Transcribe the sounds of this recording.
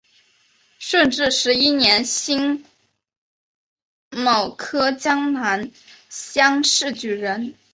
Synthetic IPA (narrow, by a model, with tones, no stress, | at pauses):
ʂə˥˧nʈ͡ʂɻ̩˥˩ʂɻ̩˧˥i˥njɛ˧˥nɕi˥ŋ | mɑ˨˩ʊkʰɤ˥t͡ɕjɑ˥ŋna˧˥nɕjɑ˥ŋʂɻ̩˥˩t͡ɕy˨˩ɻə˧˥n